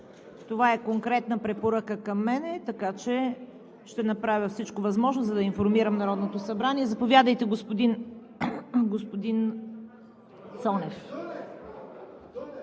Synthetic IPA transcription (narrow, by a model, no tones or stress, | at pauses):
t̪ovaɛkoŋkɾɛt̪nəpɾɛpoɾakəkɐmːɛnɛt̪ɐkat͡ʃɛ | ʃt̪ɛnɐpɾavʲəfsit͡ʃkovɐzmɔʒnozɐd̪ɐinfoɾmiɾəmnɐɾɔd̪not̪osɐbɾaniɛzɐpovʲjad̪əjt̪ɛɡospod̪in | ɡospod̪in | sɔnɛf